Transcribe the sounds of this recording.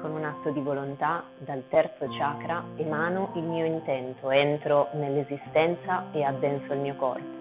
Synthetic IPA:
konunat̪ːod̪ivolont̪a | d̪alt̪ɛrt̪sot͡ʃaːkɾaemaːnoʔilmiːoint̪ɛnt̪oɛnt̪ɾonelːezist̪ɛnt̪saead̪ːɛnsoilmiːokɔ̰rpo

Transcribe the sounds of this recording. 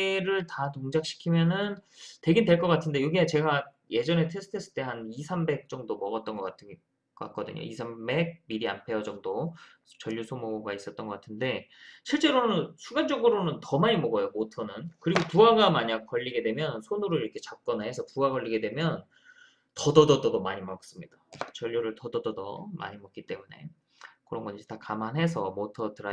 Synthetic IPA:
ɾɯɭtatoŋd͡ʑak̚ɕ͈ʰi̥kʰimjʌnɯnte̞ɡindwe̞ɭk͈ʌk͈atʰɯnde̞joɡiat͡ɕe̞ɡa | je̞d͡ʑʌne̞tʰesʰɯ̥tʰe̞s͈ʰɯ̥t͈e̞ɦanisʰambe̞k̚t͡ɕ͈ʌŋdomʌɡʌt̚t͈ʌnɡʌk͈atʰ | k͈a̰k̚k͈ʌdɯ̰ɲo̰isʰambe̞ɡ̚miɾia̰mpʰe̞ʌd͡ʑʌŋdo | t͡ɕʌʎːusʰomoɡais͈ʌt̚t͈nɡʌk͈atʰɯnde̞ɕʰiɭt͡ɕ͈e̞ɾonɯnsʰuɡand͡ʑʌŋɡɯɾonɯntʌmaɲimʌɡʌjomotʰʌnɯnkɯɾiɡotuaɡamaɲak͈ʌʎːiɡe̞dwe̞mjʌnsʰonuɾɯɾiɾʌkʰet͡ɕak̚k͈ʌnɯhe̞sʰʌkuɡaɡʌʎːiɡe̞dwe̞mjʌn | tʌdʌdʌdʌdʌmaɲimʌk̚s͈ɯmɲid̥at͡ɕʌʎːuɾɯɭtʌdʌdʌdʌ̰ma̰ɲimʌk͈it͈e̞mune̞̰ | kɯɾʌnɡʌɲd͡ʑitakamanɦe̞s̬ʰʌmotʰʌtɯɾa

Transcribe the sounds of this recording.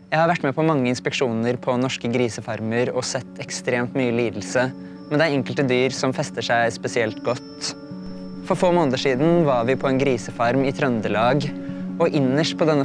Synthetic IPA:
jæɪhɑɾʋæʈːmɛpʰɔmɑŋːəɪnspɛkʂuːnəɾpʰɔnɔʂkəɡɾiːsəfɑɾməɾɔsɛt̪ːɛkst̪ɾeːmt̪myːəliːd̪l̩sə | mɛnd̪æɪɛŋkəlt̪əd̪yːɾsɔmfɛst̪əʂæɪspɛsɪɛlt̪ɡɔt̪ː | fɔɾfoːmoːnt̪əʂiːd̪n̩ʋɑɾʋɪpʰɔɛnɡɾiːsəfɑɾmɪt̪ʰɾœnd̪əlɑːɡɔʔɪnːəʂʈpʰɔd̪ɛnːə

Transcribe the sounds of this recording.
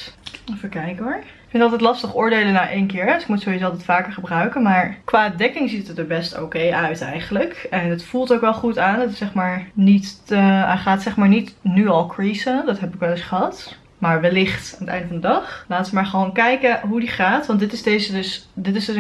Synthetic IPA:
ɔfəkɛjkoɹɪkfɪntɑlˠtɛjtlɑstəχʊːɹdejlənaːʔejnkɪːɹɛdsɪk̚mutsowisoɑlˠtɛtfaːkəɹχəbrœɥkənmaːɹkʋaːdɛkɪŋzitəət̚əbɛsto̰ːkejœɥtɛ̰jχənləkɛndətfulˠtowkʋɛlˠχutaːnətɪsɛχmaːɹnit | χaːtsɛχmaːɹnitnyɑlˠkɹisədɑtɦɛpɪkʋɛlˠɪsχəɦɑt | maːɹʋɛlɪχtaːnətɛ̰jndəvɑndədɑχlaːtəʋəmaːɹχəʋoːnkɛjkəɦudiχaːtʋɑntdɪtɪzdejzədɵsdɪtɪzdøs

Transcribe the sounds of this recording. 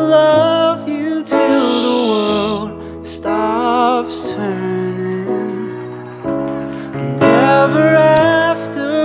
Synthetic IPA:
lʌvjɨɾuðəwɜ˞llˠd̚ | stɑpstʰɜ˞nɪ̃ŋ | nɛvə˞æftə

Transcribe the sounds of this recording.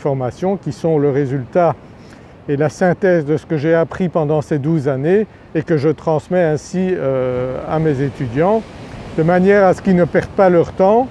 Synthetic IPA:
fɔʁmasjɔ̃kʲisɔ̃ləʁezylt̪a | elasɛ̃t̪ɛzd̪əsə̥kəʒeapχipɑ̃d̪ɑ̃sed̪uzane | ekəʒət̪χɑ̃smɛɛ̃siøa̰mezet̪yd̪jɑ̃d̪̥əmanjɛːʁasə̥kʲinəpɛʁd̪̚palœʁt̪ɑ̃

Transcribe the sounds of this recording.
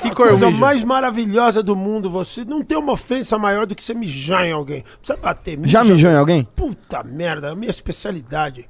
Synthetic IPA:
kɪkojzɐmajzmaɾaviʎɔzɐd̪ʊmũd̪ʊvosenɐ̃w̃t̪ẽj̃ũmɐofẽsɐmajɔɾd̪ʊkɪ̥semɪʒɐ̃jawɡẽj̃ | sebat̪emĩʒamɪʒɐ̃jawɡẽj̃put̪ɐmɛɾd̪ɐmĩɲɐispesialid̪ad͡ʒɪ

